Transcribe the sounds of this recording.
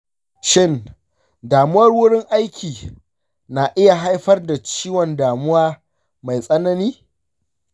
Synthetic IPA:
ʃɪ˦n | daː˨mʊ˦wɐ˦rwʊ˦ɽɪ˦ŋʔa˦jkʲʰiː˨ | na˨ʔɪ˦ja˨ɦa˦jɸɐ˦rda˨t͡ʃiː˦wɔ˨ndaː˨mʊ˦waː˦ | ma˨jsʼɐ˦nɐ˦niː˦

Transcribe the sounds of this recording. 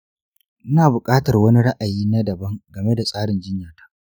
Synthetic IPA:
ʔnaː˨bʊ˨kʼaː˦tɐ˨rwɐ˦ni˦ɽa˦ʔa˨jiː˦na˦dɐ˨bɐ˦ŋɡɐ˨me˦da˨sʼaː˦ɽɪ˨nd͡ʒɪ˦ɲjaː˨tḁː˦ʔ

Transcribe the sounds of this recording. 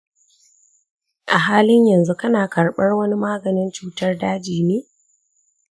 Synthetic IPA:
ʔa˨ɦaː˦lɪ˦ɲjɐ˨nzu˦kɐ˦naː˨kɐ˨rɓɐ˦rwɐ˦ni˦maː˦ɡɐ˨nɪ˦nt͡ʃuː˦tɐ˦rdaː˦d͡ʒiː˨neː˦

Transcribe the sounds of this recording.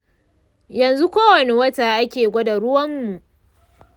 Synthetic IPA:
jɐ˨nzu˦kʷoː˦wɐ˨ne˨wɐ˦ta˨ʔa˦kʲeː˨ɡʷɐ˦dɐ˨ɽʊ˦wɐ˦mːu˨ʔ

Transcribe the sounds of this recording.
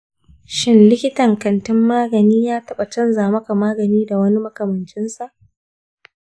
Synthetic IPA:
ʃɪ˦nlɪ˦kʲɪ˦tɐ˨ŋkɐ˨ntɪ˦mːaː˦ɡɐ˨niː˦jaː˦tɐ˦ɓa˨t͡ʃɐ˦nzaː˨mɐ˦ka˨maː˦ɡɐ˨niː˦da˨wɐ˦ni˦mɐ˦kɐ˨mɐ˨nt͡ʃɪ˦nsa˨ʔ

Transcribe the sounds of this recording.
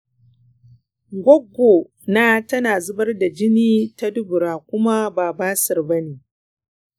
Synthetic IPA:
ɡʷɔ˦ɡʷːo˨ | naː˦tɐ˦naː˨zʊ˦bɐ˦rda˨d͡ʒɪ˦niː˦ta˦dʊ˦bʊ˨ɾaː˨kʷʊ˦ma˦baː˨baː˦sɐ˨rbɐ˦neː˨

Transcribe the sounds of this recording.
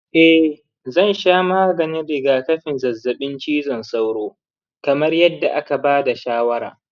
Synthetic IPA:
ʔɛ˦ | zɐ˦˨nʃaː˦maː˦ɡɐ˨nɪ˦nɽɪ˨ɡaː˨kɐ˦ɸɪ˨nzɐ˨zːɐ˨ɓɪ˦nt͡ʃiː˦zɐ˨nsa˦wɽoː˦ | kɐ˨mɐ˦rjɐ˦dːa˨ʔa˦ka˨baː˦da˨ʃaː˦wɐ˦ɾa̰ː˨

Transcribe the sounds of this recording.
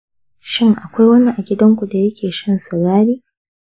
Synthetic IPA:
ʃɪ˦ŋʔa˨kʷa˦jwɐ˦ni˦ʔa˨ɡʲɪ˦dɐ˦ŋkʷu˨da˨jɐ˦kʲʰeː˨ʃɐ˦nsɐ˨ɽaː˦ɾiː˦

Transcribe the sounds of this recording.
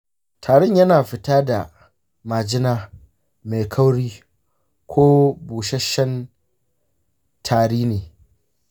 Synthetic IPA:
tʰaː˨ɽɪ˦˨ɲjɐ˦naː˨ɸɪ˨taː˦da˨ | maː˨d͡ʒɪ˦naː˦ | ma˨kʰɐ˦wɽiː˦ | kʷoː˦buː˨ʃɐ˦ʃɐ˦n | tʰaː˨ɽiː˦neː˨

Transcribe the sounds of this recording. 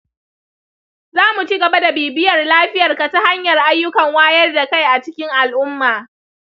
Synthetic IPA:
zaː˦mu˨t͡ʃi˦ɡɐ˨ba˦da˨beː˨bɪ˦jɐ˨rlaː˦ɸɪ˦jɐ˨rka˨ta˦ha˦ɲjɐ˨rʔa˦jːʊ˦kɐ˨ŋwaː˦jɐ˦rda˨ka˦˨jʔa˨t͡ʃɪ˦kʲɪ˦ŋʔa˨lʔʊ˦mːaː˨

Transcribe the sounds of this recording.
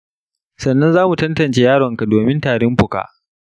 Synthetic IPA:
sɐ˨nːɐ˦nzaː˦mu˨tɐ˦ntɐ˨nt͡ʃeː˨jaː˦ɽɔ˨ŋka˨doː˨mɪ˦ntaː˨ɽɪ˦mɸʊ˨ka̰ː˨ʔ

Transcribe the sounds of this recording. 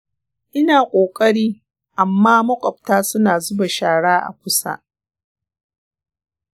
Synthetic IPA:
ʔɪ˦naː˨kʷʼoː˨kʼɐ˦ɽiː˦ | ʔa˨mːaː˦mɐ˦kʷʼɔ˨p̚taː˦sʊ˦naː˨zʊ˦ba˨ʃaː˨ɽaː˦ʔa̰˨kʷʊ˦sa̰˦

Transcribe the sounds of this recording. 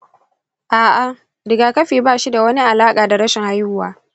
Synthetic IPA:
ʔaː˨ʔa˨ | ɾɪ˨ɡaː˨kɐ˦ɸiː˨baː˦ʃi˦da˨wɐ˦ni˦ʔa˨laː˦kʼaː˨da˨ɽɐ˦ʃɪ˨ŋha˦jʊ˦waː˨

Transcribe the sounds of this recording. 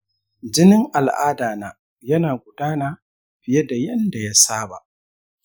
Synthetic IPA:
d͡ʒɪ˦nɪ˦ŋʔa˨lʔa̰ː˦daː˨naː˦ | jɐ˦naː˨ɡʷʊ˨daː˦naː˨ | ɸɪ˨je˦da˨jɐ˦nda˨ja˦saː˦ba̰˨ʔ

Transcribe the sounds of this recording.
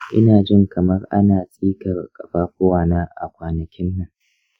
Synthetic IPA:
ʔɪ̰˦naː˨d͡ʒɪ˦ŋkʰɐ˨mɐ˦rʔa̰˦naː˨sʼiː˦kɐ˨rkʼɐ˨ɸaː˦kʷʊ˦waː˨naː˦ʔa̰˨kʷaː˨nɐ˨kʲɪ˦nːɐ˨ŋ

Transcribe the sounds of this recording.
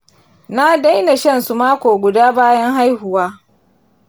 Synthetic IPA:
na˦da˦jna˨ʃɐ˦nsu˨maː˦kʷoː˨ɡʷʊ˨daː˦baː˦jɐ˦ŋɦa˦jhʊ˨waː˦

